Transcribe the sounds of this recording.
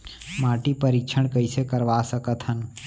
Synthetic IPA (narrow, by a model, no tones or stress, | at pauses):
maːʈipəɾikt͡ʃʰəɳ̃kəisekəɾʋasəkət̪ɦən